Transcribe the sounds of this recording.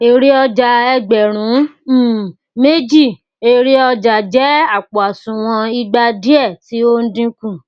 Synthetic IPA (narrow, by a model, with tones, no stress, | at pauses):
e˨ɾi˦ɔ˧d͡ʒa˧ɛ˧ɡ͡bɛ˨ɾ̃ũ˨˦˨ | me˦d͡ʒi˦˨ | e˦ɾi˦ɔ˧d͡ʒa˨d͡ʒɛ˦a˦˨k͡po˨a˨sũ˨w̃ɔ̃˧i˧ɡ͡ba˧di˦ɛ˦˨ti˨˦o˦n̩˦dĩ˧kũ˦˨